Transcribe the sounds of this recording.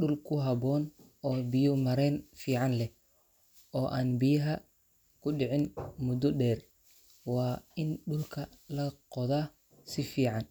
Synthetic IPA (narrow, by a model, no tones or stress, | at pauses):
ɗʊlkʰʊɦɐbɔːn | ɔːbɪjʊmɐɾɛːnfiːʕɑnlɛ | ɔːʔaːnbɪjɐɦɐ | kʰʊɗɪʕɪnmʊd̪ɔɖɛːr | wɑːɪnɖʊlkʰɐlɐqɔðaː | sɪfiːʕɑn